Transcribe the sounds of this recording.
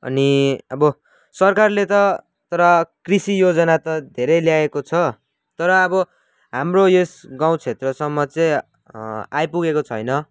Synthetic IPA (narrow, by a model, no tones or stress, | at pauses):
ʌ̰niʌbʌ | sʌrkarlet̪ʌ | t̪ʌɾʌkrisijod͡zʌnat̪ʌd̪ʱeɾʌjljaekot͡sʰʌ | t̪ʌɾʌːbʌ | ɦamroesɡãw̃t͡sʰet̪rʌsʌmːʌt͡sʌ̃j | ajpuɡekot͡sʰʌjnʌ